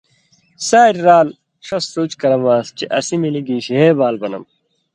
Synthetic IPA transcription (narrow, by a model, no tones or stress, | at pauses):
saːɾɾaːl | ʂɐsɾuːt͡ɕkɐɾɐmaːst͡ɕeʔɐsimiliɡiːɕɦeːbaːlbɐnɐ̰m